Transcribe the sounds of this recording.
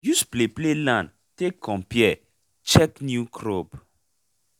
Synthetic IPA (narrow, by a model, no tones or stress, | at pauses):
juspleplelãn | tekʰːɔ̃mpjɛ | t͡ʃɛknjukɾob